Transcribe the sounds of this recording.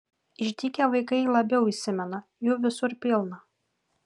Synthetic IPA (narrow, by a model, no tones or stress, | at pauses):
ɪʒʲd̪ʲiːkʲɛʋɐɪkɐɪlˠɐbʲɛʊisʲɪmʲɛnɐ | juːʋʲɪsʊɾpʲɪlˠnɐ